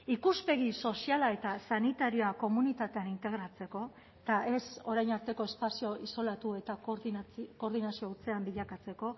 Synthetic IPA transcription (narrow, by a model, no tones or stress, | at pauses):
ikuspe̞ɣiso̞sialae̞t̪asanit̪aɾio̞ako̞munit̪at̪e̞anint̪e̞ɣ̞ɾat͡se̞ko̞ | t̪aʔe̞so̞ɾajnaɾt̪e̞ko̞e̞spasio̞ʔiso̞lat̪ue̞t̪a | ko̞ːɾðinasio̞ut͡se̞ambiʎakat͡se̞ko̞